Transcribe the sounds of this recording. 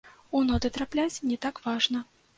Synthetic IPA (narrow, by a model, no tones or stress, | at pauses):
unɔd̪ɨt̪ɾaplʲat͡sʲnʲɛt̪akvaʐnɐ